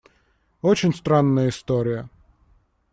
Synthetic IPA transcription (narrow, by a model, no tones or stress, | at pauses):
ot͡ɕɪnʲst̪ɾanːəjəɪst̪oɾʲɪjə